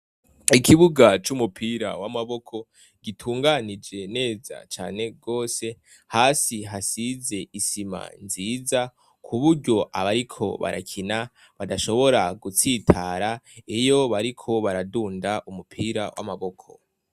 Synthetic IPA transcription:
ikʰiβuɡat͡ʃumupʰiːɾa̰wamaβo̞kʰo̞ | ɡ̥itʰuːŋɡanid͡ʒe̞ne̞ːza̰t͡ʃaːne̞ɡ̥o̞ːse̞ | haːsiɦasize̞isima̰nziːza | kʰuβuɾɟo̞ʔaβaɾikʰo̞̰βa̰ɾa̰kʰina | βadaʃo̞βo̞ɾaɡut͡sitʰaɾaejo̞βaɾikʰo̞βaɾaduːndaʔumupʰiːɾa̰wʔa̰maβo̞kʰo̞̰

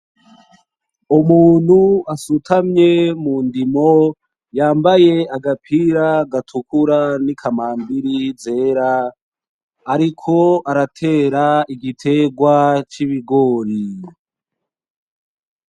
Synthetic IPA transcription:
umuːn̤̥huasutʰamɲe̞mundimo̞ | jaːmbaje̞aɡapʰiɾaɡatʰukuɾanikʰamaːmbiɾize̞ːɾa | ɾikʰo̞aɾatʰe̞ːɾaiɡitʰe̞ɡwat͡ʃiβiɡo̞ːɾi

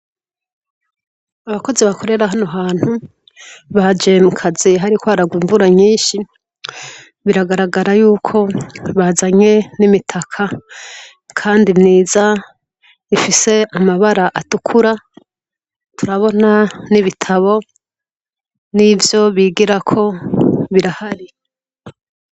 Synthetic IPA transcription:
aβako̞ziβakʰo̞ɾe̞ɾaɦano̞ɦaːn̥hu | βad͡ʒe̞mukʰaziɦaɾikwaːɾaɡwiːɱvuɾaɲiːnʃi | βiɾaɡaɾaɡaɾajuːkʰo̞βazaɲe̞nimitʰakʰa | kʰaːndimniːza | ifise̞amaβaɾaʔatukʰuɾa | tʰuɾaβo̞naniβitʰaβo̞ | nivjo̞βiːɡiɾakʰo̞βiɾahaɾi

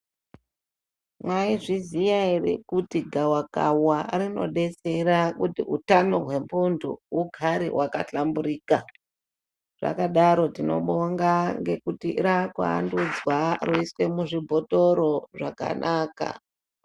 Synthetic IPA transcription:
mwaiʐizijairḭkutiɡʱawaka̰warino̞̰ɗe̞t͡se̞ɾakutiutano̞ɦwe̞mpundṵuɡʱaɾḭwʔakaɬambuɾiːka | ʐ̥a̰kaɗaɾo̞tino̞̰ɓoŋɡaŋɡe̞kutiɾakwa̰ːndud͡zwaroiswe̞muʐibʱo̞to̞ɾo̞ʐaka̰nʔaːka̰

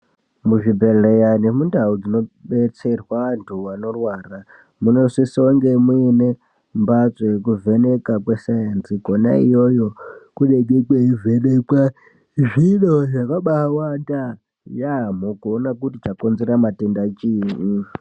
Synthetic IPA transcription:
muʐibʱeɮejanimundaud͡zino̞ɓet͡se̞rwaʋantʰuʋano̞rwaːra | muno̞sisioŋɡe̞muine | mbat͡sek̬uvenekakwesajensiɡona̰ijojo̞kuɗeɡekweivʱenekwa | ʐinoʐakaɓawanda | jamokuonak̬utit͡ʃakonzeɾamatendat͡ʃiːni

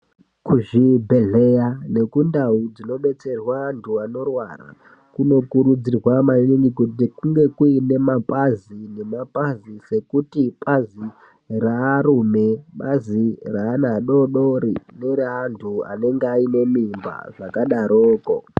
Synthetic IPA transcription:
kuʐibʱeɮe̞jane̞kundaud͡zino̞ɓe̞t͡se̞rwantʰuano̞rwara̰ | kuno̞kuɾud͡zirwamaneŋɡikutikuŋɡe̞kuine̞mapʼazine̞mapʼazise̞kutipʼazi | raːɾume̞ɓaziraːnaɗo̞ɗoɾineɾantʰua̰ne̞ŋɡaine̞mimba̰ʐakaɗaɾoːko̞

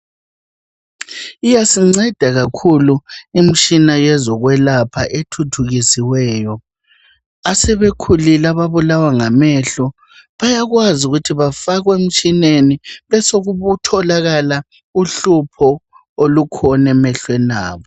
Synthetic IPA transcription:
ijasiŋ͡ǀɛd̥ʱaɣakʰuluim̩t͡ʃʼinajɛzɔɣwɛlapʰaʔetʰutʰuɣisiwɛːjɔ | asɛβekʰulilaβaβulawaŋamɛɬɔ | βajaɣwazuɣutʰiβafaɣwem̩t͡ʃʼineniβɛsoɣuβutʰɔlaɣala | uɬupʰɔ | olukʰɔnɛmɛɬwɛna̰ːβɔ

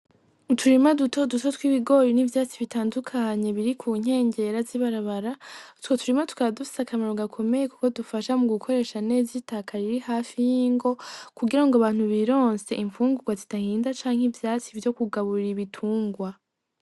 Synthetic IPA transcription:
utʰuɾimadutʰoduto̞twiβiɡo̞ɾinivjaːt͡siβitaːndukʰaɲe̞βiɾikʰuːɲ̥e̞ːɲɟe̞ɾaziβaɾaβaɾatwotuɾimatu̥kaβadufi̥sakamaɾo̞ɡakʰo̞me̞jeku̥ko̞dufaʃamuɡukʰo̞ɾe̞ːʃane̞ːzitakʰaɾiɾihaːfijiːŋɡo̞kuɡiɾaŋɡoβaːn̥huβiɾo̞ːnse̞ʔiɱfuːŋɡuɡwazitahiːndat͡ʃaːŋ̥ivjaːt͡sivjo̞kuɡaβuɾiɾiβitʰuːŋɡwa

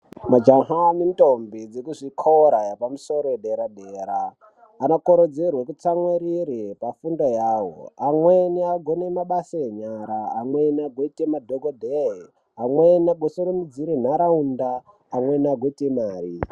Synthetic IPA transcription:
mad͡ʒaŋɦamintombid͡zekuʐikʰoɾajapamuso̞ɾoeɗeɾaɗeːɾaː | nokoɾod͡zerwekut͡saŋweɾiɾipafundajaːwo̰amweniaɡʱonemaɓasajeɲaɾaːmwenaɡwetʼemadʱoɡʱodʱe | ɦamwenaɡʱwosoɾonid͡ziɾin̤aɾaundaː | mwenaɡʱwetemaːri

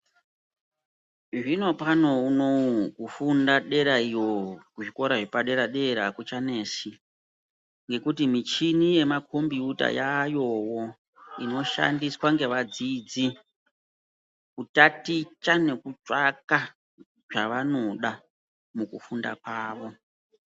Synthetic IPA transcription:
ʐino̞pano̞uno̞kufundaɗe̞ɾaiwo̞kuʐiko̞ɾaʐepaɗe̞ɾaɗe̞ɾakut͡ʃane̞ːsi | ŋɡe̞kutimit͡ʃinije̞makʰombiuta̰jajo̞wo̞ | ino̞ʃa̰ndiswaŋɡe̞ʋad͡zid͡zi | kutatit͡ʃane̞kut͡ʂʼaka | ʐa̰ʋano̞ɗa | mukufunda̰kwaːʋo̞

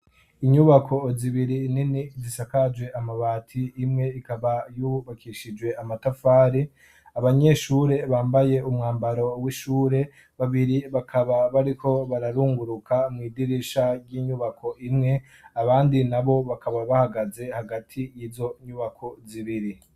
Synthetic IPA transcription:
iɲuβakʰo̞ziβiɾininizisakad͡ʒwe̞ʔamaβaːtʰiːmŋe̞ikaβajuβakiːʃid͡ʒwe̞amatafaːɾi | aβaɲe̞ʃuːɾe̞βaːmbaje̞umŋaːmbaɾo̞wiʃuːɾe̞ | βaβiɾiβakʰaβaβaɾikʰo̞βaɾaɾuːŋɡuɾukʰamŋiːdiɾiʃaɾɟiːɲuβakʰo̞ʔimŋe̞ | aβaːndinaβo̞βakʰaβaβahaɡaze̞haɡatʰijiːzo̞ɲuβakʰo̞ziβiɾi

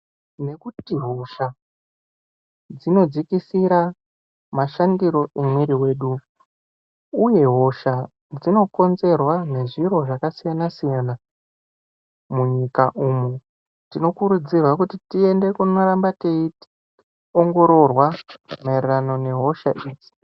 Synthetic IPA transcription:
ne̞kutiɦo̞ʃa | d͡zino̞d͡zikisiɾa | maʃandiɾo̞emweɾiwe̞ːɗu | uje̞ɦo̞ʃa | d͡zino̞ko̞nze̞rwane̞ʐiɾo̞ʐakasijanasijana | muɲikaʔumu | tino̞kuɾud͡zirwakutitie̞nde̞kuno̞ɾambateit | o̞ŋɡo̞ɾo̞rwamaererano̞ne̞ɦo̞ʃa̰ʔiːd͡zi̥

